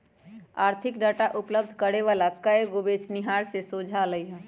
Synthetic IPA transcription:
aːɾt̪ʰɪkɖaːʈaʔʊpləb̚d̪ʱkəɽeʋaːlakəeɡoʋeːt͡ʃnɪɦaːɾsesoːd͡ʒʱaləiɦɛ̃ː

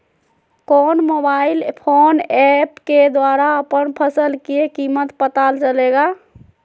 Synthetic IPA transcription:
konmobailpʰonɛpked̪waɾaəpənpʰəsəlkiekimət̪pət̪alt͡ʃəleɡa

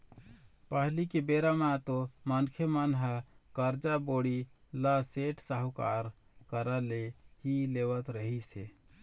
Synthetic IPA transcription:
pəɦlikebeɾamat̪omənkʰemənɦəkəɾd͡ʒaboɽi | ləseʈʰsəɦka̰ɾ | kəɾəlehilewət̪ɾəɦise

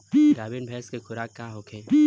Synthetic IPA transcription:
piːɾaːbɪnbʱɛːskekʰʊɾaːkːaːɦoːkʰẽːpiː

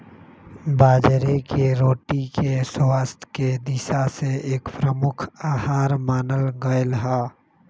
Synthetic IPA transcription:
baːd͡ʒɾekeɾoːʈikeswaːst̪ʰked̪isaseeːkpɾəmʊkʰaːhaːɾmaːnəlɡəelɦa

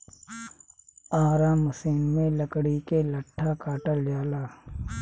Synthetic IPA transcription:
aːɾaːməsiːnmẽləkɽikeləʈʰːakaːʈəld͡ʒaːlaː

